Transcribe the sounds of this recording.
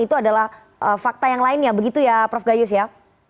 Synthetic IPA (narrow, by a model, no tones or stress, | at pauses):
it̪uadalah | ʔəfak̚t̪ajaŋlaɪnjabəɡit̪ujapɾɔfɡajʊs̬ja